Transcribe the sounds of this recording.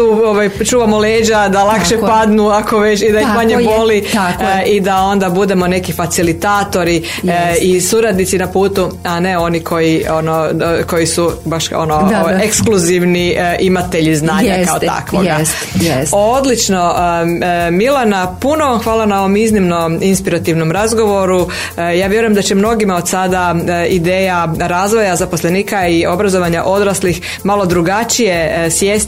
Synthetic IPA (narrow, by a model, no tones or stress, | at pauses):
t̪uːoʋajt͡ʃuːʋamoleːd͡ʑad̪alakʃepad̪nuako̞ʋe̞t͡ɕid̪ajixmaɲeboli | id̪ao̞nd̪abud̪e̞mone̞kifat̪silit̪aːt̪o̞ɾi | isuɾad̪nit̪sinapuːt̪uane̞o̞nikʰo̞jionoko̞jisubaʃo̰noekskluziʋniʔimat̪e̞ʎiznaːɲɲakaot̪a̰kʋo̰ɡa | od̪lit͡ʃno̞ | milˠanapuno̞ʋamxʋaːlanao̞ʋo̞miznimnoinspiɾat̪iʋnomɾazɡo̞ʋo̞ɾu | jaːʋje̞ɾujemd̪at͡ɕemno̞ɡimao̞d̪sad̪aid̪eːjaɾaːzʋo̞jazaposlˠeniːkaio̞bɾazoʋaɲaʔo̞d̪ɾaslix | malo̞d̪ɾuɡat͡ʃijesjeːst̪